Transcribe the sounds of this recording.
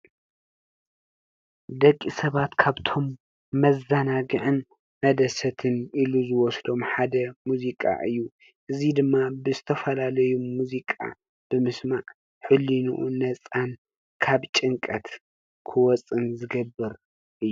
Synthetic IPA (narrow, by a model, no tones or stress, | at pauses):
d̪ɐkʼːisɐβat̪kʰaβt̪ʰo̞mː | ɐzɐnaɡɨʕɨn | mɐd̪ɐsɐt̪ʰɨnʔiluzɨwɔsd̪o̞mħad̪ɐmuzikʼa̰ʔɨjːu | ʔɨzid̪ɨmːabɨzɨt̪ʰɐfɐlalɐjumːuzikʼa̰ | b̥ɨmɨsmaʕ | ħɨlːinṵʔṵnɐt͡sʼan | kʰaβt͡ʃʼɨŋkʼɐt̪ | kʰɨwɔt͡sʼɨnzɨɡɐbːɨɾ | ʔɨjːu